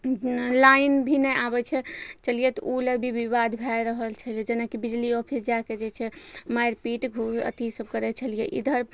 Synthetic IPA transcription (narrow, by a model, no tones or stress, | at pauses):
lainbʱinɛjʔabɛt͡ʃʰɛt͡ʃəlijɛt̪ɔulebʱibiβad̪bʱajɾəɦəlt͡ʃʰəliɛd͡ʒenakibid͡ʒliɔpʰisd͡ʒaked͡ʒet͡ʃʰɛmajɾpiʈɡʱuə̰t̪isəb̚kəɾɛt͡ʃʰəlijɛ̰ʔḭd̪ʱəɾ